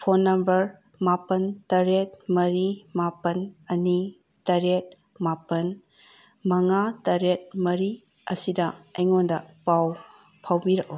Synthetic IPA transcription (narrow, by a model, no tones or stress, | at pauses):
pʰonːɐmbɐɾ | mapɐntɐɾet̚mɐɾimapɐnɐni | tɐɾet̚ | mapɐn | mɐŋatɐɾet̚mɐɾi | ɐsidɐɐjŋondɐpaw | pʰawbiɾɐk̚o